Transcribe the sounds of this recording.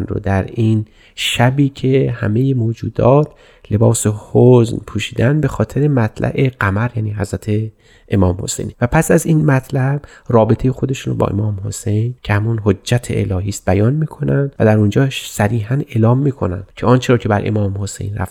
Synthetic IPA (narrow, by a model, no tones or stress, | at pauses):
nɾo̰d̪æɾin | ʃæbiːcʰe̞hæ̰me̞jemoːd͡ʒuːd̪ɒːt̪ʰ | le̞bɒːsehoznpʰuːʃiːd̪ænbe̞xɒːt̪ʰe̞ɾemæt̪ʰlʔæ̰ʔe̞ɢæmæɾjæːniːɦæzɾæt̪ʰe | ʔemɒːmho̞̰sḛjnvæpʰæsæzinmæt̪ʰlæb̥rɒːbet̪ʰe̞jexod̪e̞ʃunobɒ̰ːʔe̞̰mɒːmho̞se̞jncʰehæmunɦod͡ʒːæt̪ʰḛʔḛlɒːɦiːst̪̚bæjɒnmiːkʰo̞nænd̪væd̪æɾund͡ʒɒːʃsæɾiːɦæne̞ːlɒːmːiːkʰo̞̰nænd̪̥cʰeɒːnt͡ʃʰeɾɒːcʰe̞bæɾʔḛmɒːmho̞sḛjnræ̰f